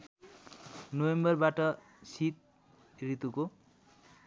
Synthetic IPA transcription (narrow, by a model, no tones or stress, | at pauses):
nowembʌrbaʈʌ | sit̪̚ | rit̪uko